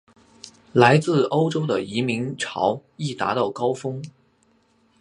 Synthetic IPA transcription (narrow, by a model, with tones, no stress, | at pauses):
la˧˥ɪt͡sɹ̩˥˩o˥ʊʈ͡ʂo˥ʊd̪ə˨i˧˥mi˧˥ŋʈ͡ʂʰɑ̰˧˥ʊi˥˩t̪a̰˧˥t̪ɑ˥˩ʊkɑ˥ʊfɤ˥ŋ